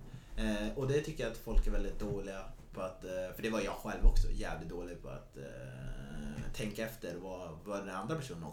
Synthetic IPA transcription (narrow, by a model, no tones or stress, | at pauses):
ɔd̪ɛt̪ʰʏkːəjaat̪fɔlkæɾvɛld̪ɪt̪̚d̪oːlɪɡapʰɔat̪fœɖɛvaɾjjɑːɡɧɛlvɔksɔ̰jæ̰ːvlɪt̪̚d̪oːlɪɡ̚pʰɔa̰t̪ | t̪ʰːɛŋkaɛft̪əɾvavaɖɛnand̪ɾapʰæʂuːnənɔ